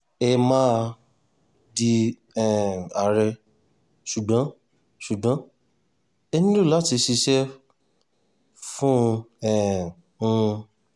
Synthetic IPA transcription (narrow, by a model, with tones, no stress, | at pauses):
ɛ˧mã˦˧ | di˧ | ɛ˨a˨ɾɛ˧ | ʃu˨ɡ͡bã˨˦ | ʃu˨ɡ͡bã˨˦ | ɛ˧nĩ˦lu˦˨la˨˦˨ti˧ʃi˧ʃɛ˦ | fũ˦ɛ˦˨ | ũ˦˧